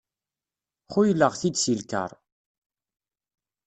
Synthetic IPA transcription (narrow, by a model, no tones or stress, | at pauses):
χujlːəʁθid̪silkə̰ɾˤ